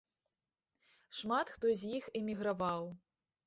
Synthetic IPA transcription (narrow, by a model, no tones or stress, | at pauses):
ʂmat̪xt̪ɔzʲjixɛmʲiɣɾavaw